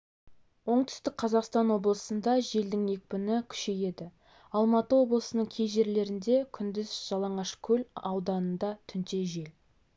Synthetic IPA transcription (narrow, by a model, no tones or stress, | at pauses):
wo̞ɴt̪ʰʏ̥st̪ɪk̚qʰɑzɑqst̪ɑnwo̞blˠəsənd̪ɑʒe̞ld̪ɪŋe̞k̚ʲpɪnɪkʲʰʏ̥ʃe̞je̞d̪ɪ | ɑlˠmɑt̪əwo̞blˠəsənəɴkʲʰe̞jʒe̞ɾle̞ɾɪnd̪e̞kʲʰʏnd̪ɪzʒ̥ɑlˠɑɴɑʃkʲʰɵlɑwd̪ɑnənd̪ɑt̪ʰʏnt̪e̞ʒe̞l